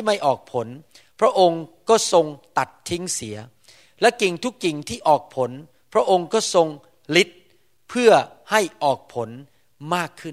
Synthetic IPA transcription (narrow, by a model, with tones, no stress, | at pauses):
ma˥˩jʔɔː˨˩k̚pʰo˩˦n | pʰɾa˦˥ʔo˧ŋkɔː˥˩so˧ŋt̪a˨˩t̪ʰːi˦˥ŋsi˩˦ɐ | lɛ˦˥ki˨ŋt̪ʰu˦˥kːi˨˩ŋt̪ʰiː˥˩ʔɔː˨˩k̚pʰo˩˦n | pʰɾa˦˥ʔo˧ŋkɔː˥˩so˧ŋ | li˦˥t̪̚ | pʰɯ˥˩ɐ | ha˥˩jʔɔː˨˩k̚pʰo˩˦n | maː˥˩kʰːɯ˥˩